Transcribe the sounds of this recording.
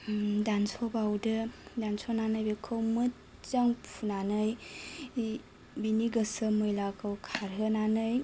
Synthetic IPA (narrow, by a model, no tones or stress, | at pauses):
dansɔbawdɯdansonanɯjbekʰɯwmɯt̚ | t͡ʃaŋpʰunanɯj | biniɡəsɯmɯjlakʰɯwkʰaɾɦɯnanɯj